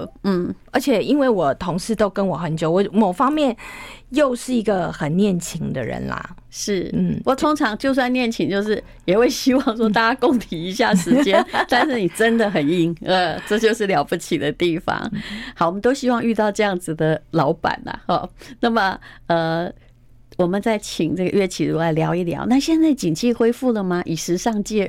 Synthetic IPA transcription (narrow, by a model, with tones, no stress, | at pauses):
n̩˥˩ə˞˧˥t͡ɕʰjɛ˨˩i˥nwe˥˩ɪwɔ˨˩t̪ʰo˧˥ŋʂɻ̩˥˩t̪o˥ʊkə˥nwɔ˨˩xə˧˦nt͡ɕjo˨˦ʊwɔ˨˦mo˨˩ʊfɑ˥ŋmjɛ˥˨njo˥˧ʊʂɻ̩˥˩i˧˥ɡə˧xə˨˩nnjɛ˥˩nt͡ɕʰi˧˥ŋd̪ə̰˧ɻə̰˧˥nlɐ̰˩ | ʂɻ̩˥˩n̩˥˩wɔ˨˩t̪ʰʊ˥ŋʈ͡ʂʰɑ˧˥ŋt͡ɕjo˥˧ʊs̬wa˥˧njɛ˥˩nt͡ɕʰi˧˥ŋt͡ɕjo˥˧ʊʂ̬ɻ̩˥˩ | jɛ˨˩xwe˥˩ɪɕi˥wɑ˥˧ŋʂwɔ˥t̪a˥˧t͡ɕa˥kʊ˥ŋt̪ʰi˨˩i˧˦ɕja˥˩ʂɻ̩˧t͡ɕjɛ˥˦nt̪a˥˧nʂɻ̩˥˩ni˨˩ʈ͡ʂə˦nd̪ə˨xə˨˩ni˥˩ŋə˥˧ʈ͡ʂɤ˥˧t͡ɕjo˥˧ʊʂɻ̩˥˩ljɑ˧˥ʊpu˥˩t͡ɕʰi˨˩d̪ə˦t̪i˥˩fɑ̰˧˩ŋxɑ˧˩ʊwɔ˨mə˦t̪o˥ʊɕi˥wɑ˥˧ŋy˥˧t̪ɑ˥˧ʊʈ͡ʂɤ˥˧jɑ˥˩ŋd͡zɹ̩˨˩d̪ə˩lɑ˧˥ʊpa̰˨˩nɐ̰˩ɔ˥˩na˥˩mə˨ə˧˩ | wɔ˨˩mə˨˦nt͡sa˥˩ɪt͡ɕʰi˨˩ŋʈ͡ʂɤ˥˩ɡə˩ɥɛ˥˩t͡ɕʰi˨˩ɻu˧˥˩la˧˩ɪljɑ˧˥ʊi˥˩ljɑ̰˨˥ʊna˥˧ɕjɛ˥˧nt͡sa˥˩ɪt͡ɕi˨˩ŋt͡ɕʰi˥˩xwe˥ɪfu˥˩lə˩mɐ˨ʔi˨˩ʂɻ̩˧˥ʂɑ˥˧ŋt͡ɕɛ˥˩